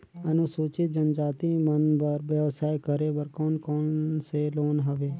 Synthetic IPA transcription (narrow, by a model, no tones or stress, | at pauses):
ənũsuːt͡ʃid͡ʒənd͡ʒaːt̪iːmənbəɾʋjəʋsaːekəɾeːbəɾkɔːnkoːnseːloːnɦəʋeː